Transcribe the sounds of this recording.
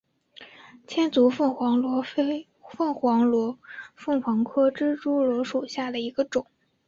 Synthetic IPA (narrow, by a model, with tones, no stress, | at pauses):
t͡ɕʰjɛ˥nt͡su˧˥fə˥˩ŋxwɑ˧˥lwɔ˧˥ | fə˥˩ŋxwɑ˧˥ŋlwɔ˧˥fɤ˥˩ŋxwɑ˧˥ŋkʰɤ˥ʈ͡ʂɻ̩˥ʈ͡ʂu˥lwɔ˧˥ʂu˨˩ɕja˥˩d̪ə˩i˧˥ɡ̥ə˧ʈ͡ʂʊ˨˩˦ŋ